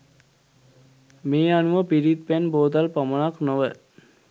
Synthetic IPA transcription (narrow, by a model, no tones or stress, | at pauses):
meːanuʋəpiɾit̪̚pænboːd̪alpamənaknoʋə